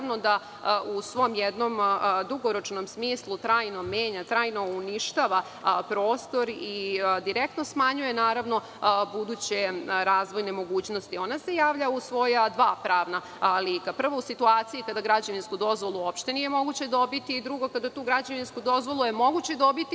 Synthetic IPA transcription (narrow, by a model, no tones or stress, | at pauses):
no̞d̪a | ʔusʋo̞mjed̪no̞md̪uɡoɾo̞t͡ʃno̞msmiːslˠut̪ɾaːjno̞meːɲat̪ɾaːjno̞uniʃt̪aʋa | pɾo̞ːst̪o̞ɾid̪iɾek̚t̪no̞smaɲuje̞naːɾaʋno̞ | bud̪uːt͡ɕeɾaːzʋo̞jnemo̞ɡuːt͡ɕno̞st̪io̞nase̞jaːʋʎausʋo̞jad̪ʋaːpɾaːʋna | lˠiːkapr̩ʋousit̪uaːt̪siikad̪aɡɾad͡ʑaʋinskud̪o̞zʋo̞lˠuo̞pʃt̪e̞nije̞mo̞ɡut͡ɕe̞d̪o̞bit̪iːd̪ɾuɡo̞kad̪at̪uːɡɾad͡ʑaʋinskud̪o̞zʋo̞lˠujemo̞ɡut͡ɕed̪o̞bit̪i